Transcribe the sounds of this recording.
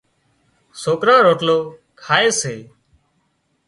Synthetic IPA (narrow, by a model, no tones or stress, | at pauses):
soːkɾãːɾoːʈloːkʰaːeːseː